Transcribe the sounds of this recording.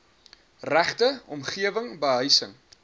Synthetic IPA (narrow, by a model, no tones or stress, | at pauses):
ræχtəɔmχiəvəŋbəɦœɥjsəŋ